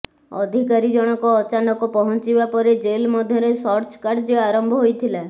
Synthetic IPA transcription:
ɔ̰d̪ʱikaɾid͡ʒɔɽ̃ɔkɔːt͡ʃanɔkɔpɔɦɔnt͡ʃibapɔɾed͡ʒelmɔd̪ʱjɔɾesɔɾt͡ʃkaɖd͡ʒeaɾɔmbʱɔɦojt̪ʰila

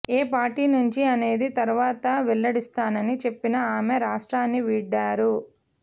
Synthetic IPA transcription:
eːpaːɾʈiːnuɲt͡ʃiɐne̞ːd̪it̪ɐɾuʋaːt̪ɐʋɛlːɐɽist̪aːnɐnit͡ʃe̞pːinɐaːmeɾaːʂʈɾaːnːiʋiːɖːaːɾu

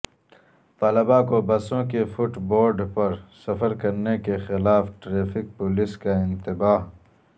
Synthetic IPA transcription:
t̪aːlɪbakobɐsõkefʊʈboːɾɖpɐɾsɐfəɾkɐɾnekexɪlaːfʈɾeːfɪk̚pʊlɪskaɪ̃nt̪ɪbaːɦ

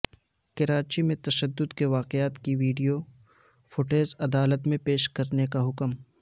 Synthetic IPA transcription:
kɪɾaːt͡ʃimẽt̪ɐʃəd̪ːʊd̪keʋaːqɪaːt̪kiʋiːɖijo | fʊʈeːzɐd̪aːlət̪mẽpeːʃkɐɾnekaɦʊkm

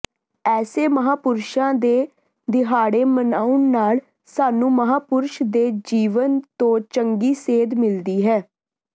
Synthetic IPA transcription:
ɛːseːməɦaːpʊɾʃãːd̪eː | d̪ɪɦaːɽeːmənaːʊɳnaːl | saːnũːməɦaːpʊɾʃd̪eːd͡ʒiːʋənt̪õːt͡ʃəŋɡiːseːd̪mɪld̪iːɦɛː

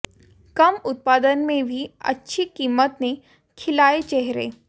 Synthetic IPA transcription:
kɐmʊt̪̚paːd̪ənmẽbʱiɐ̰tːʃʰikiːmət̪ne | kʰɪlaːet͡ʃɛɦɾḛː

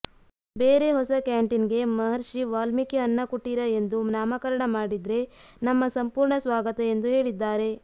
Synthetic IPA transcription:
beːɾe̞ɦɔsɐkaːɳʈinɡe̞mɐɦɐɾʃiʋaːlmikeɐnːɐkuʈːiɾɐe̞nd̪unaːmɐkɐɾɐɳɐmaːɽid̪ɾe̞ | nɐmːɐsɐmpuːɾɳɐsʋaːɡɐt̪ɐend̪uɦe̞ːɭid̪ːaːɾe̞

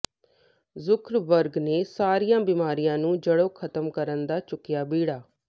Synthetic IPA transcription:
zʊkʰɾbəɾɡneːsaːɾijãːbiːmaːɾijãːnũːd͡ʒəɽoːkʰət̪əmkəɾənd̪aːt͡ʃʊkːɪjaːbiːɽaː

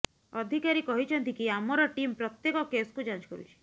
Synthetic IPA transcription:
ɔd̪ʱikaɾikɔɦit͡ʃʰɔnt̪ikiamɔɾɔʈimpɾɔt̪jekɔkeskud͡ʒant͡ʃkɔɾṵt͡ʃʰi̥

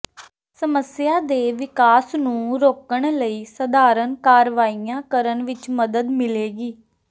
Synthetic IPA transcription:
səməsɪjaːd̪eːʋɪkaːsnũːɾoːkəɳ̃ləiːsəd̪aːɾənkaːɾʋaːijãːkəɾənʋɪt͡ʃməd̪əd̪mɪleːɡiː

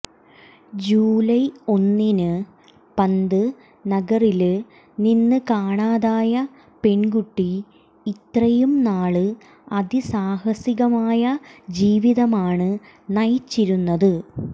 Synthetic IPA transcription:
d͡ʑuːlɐjo̞nːinɨ | pɐnd̪ɨ | nɐɡɐril | ninːɨkaːɳaːðaːjɐ | pe̞ɳɡuʈːiː | t̪rɐjumnaːɭɨ | ɐdisaːhɐsiɣɐmaːjɐd͡ʑiːʋiðɐmaːɳɨ | nɐjt͡ɕːiɾunːɐðɨ

